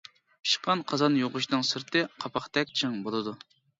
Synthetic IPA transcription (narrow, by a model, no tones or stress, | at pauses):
ʃqʰɑnqʰɑzɑnjoʁʊʃnɨŋsɨɾt̪ʰɨqʰɑpʰɑχt̪ɛk̚ʲt͡ʃʰiŋbolˠɨd̪u